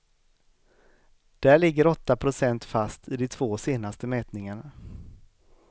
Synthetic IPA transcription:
d̪̥æːɭɪɡːəɾɔt̪ːapʰɾʊsɛnt̪fast̪ʰɪd̪ɛt̪ʰv̥oːseːnast̪əmɛːt̪nɪŋaɳa

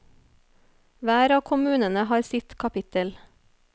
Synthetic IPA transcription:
ʋæːɾɑːkʰʊmʉːnənəhɑːɾsɪt̪kʰɑpɪt̪əl

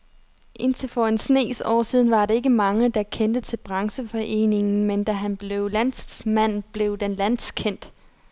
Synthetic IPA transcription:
ʔe̝nt͡sʰelfɒensne̝̰ːsɒ̰ːsiːð̞ˠn̩ʋɑ̈ɾ̥ee̝ɡ̥əmɑ̈ŋəd̥ɑ̈kʰend̥ət͡sʰe̝lb̥ʁɑ̈ŋsəfɒ̽ʔe̝̰ːne̝ŋn̩mend̥æɦænb̥le̝ʊlæn̰smæn̰b̥le̝ʊd̥enlæn̰skʰen̰d̥

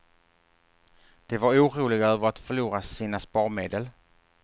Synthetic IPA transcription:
d̪̥evaɾuːɾuːlɪɡaœːvəɾat̪fœɭuːɾasiːnaspɑːɾmeːd̪əl

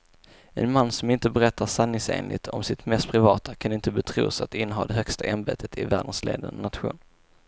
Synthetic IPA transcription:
ɛ̰nmanːsɔmɪnt̪əbɛɾɛt̪ʰːasanːɪŋsḛːnlʔɪ̰t̪ʰɔ̰msɪt̪mɛst̪̚pʰɾɪvɑːt̪akʰanɪnt̪əbɛt̪ʰɾṵːsat̪ɪnːəɦɑ̰ːd̪ɛɦœkst̪aʔɛnbeːt̪ʰət̪ʰɪvæ̰ːɖənslʔḛːd̪ə̰nnːat̪ɧṵːn

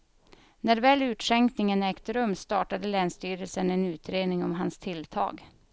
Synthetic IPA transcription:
næɾvɛːlʉ̟ːt̪ʂɛŋknɪŋənɛːkt̪əɾɵmːst̪ɑːʈad̪əlɛːnst̪yːɾəlsənɛnʉ̟ːt̪ɾeːd̪nɪŋɔmɦanst̪ʰɪlt̪ʰɑ̰ːɡ

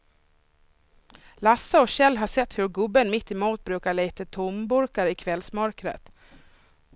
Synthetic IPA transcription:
lasːaɔɕɛlːɦaʂɛt̪ːhɵɾɡɵbːənmɪt̪ːɪmuːt̪̚bɾʉːkaɭeːt̪ət̪ʰʊmbʊɾkaɾɪkʰvɛlsmœɾkɾə̰t̪

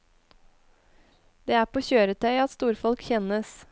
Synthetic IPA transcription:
d̪̥eːæːpʰoːçøːɾət̪ʰœʏɑt̪st̪uːɾfɔlkçɛnəs

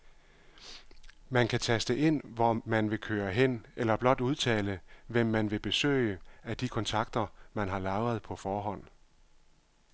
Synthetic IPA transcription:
mænkʰæt͡sʰæsd̥əʔe̝n̰ʋɒmænʋe̝kʰøːɐɦen̰elɐb̥lɒ̽d̥uð̞ˠt͡sʰɛ̰ːləʋem̰ːænʋe̝b̥e̝sø̰ɪəæd̥ikʰɒ̽nt͡sʰɑ̈ɡ̥̚d̥ɐmænɦɑ̈lɑ̈ʊɐð̞̩ˠpʰɒ̽fɒːɦɒ̽n̰

